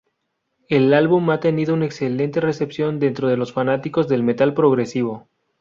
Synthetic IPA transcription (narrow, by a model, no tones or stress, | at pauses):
e̞lalβumat̪e̞niðo̞unaekse̞le̞nt̪e̞re̞se̞psjo̞nd̪e̞nt̪ɾo̞ð̞e̞lo̞sfanat̪iko̞zðe̞lme̞t̪alpɾo̞ɣɾe̞siβ̞o̞